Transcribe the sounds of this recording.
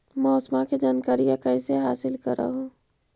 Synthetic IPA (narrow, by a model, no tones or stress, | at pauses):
mɔːsmaked͡ʒaːnkaɾijakəɪseɦaːsɪlkəɾa̰ɦo